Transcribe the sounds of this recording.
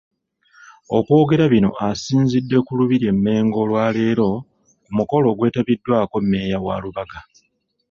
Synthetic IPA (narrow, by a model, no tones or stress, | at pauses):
o̞̰kwo̞ːɡe̞ɾaβino̞̰ʔasiːnzidːe̞kuluβiɾje̞mːe̞ːŋɡo̞lwaːle̞ːɾo̞ | kumuko̞lo̞ːɡwe̞ːtaβidːwaːko̞mːe̞ːjawa̰ːluβaɡa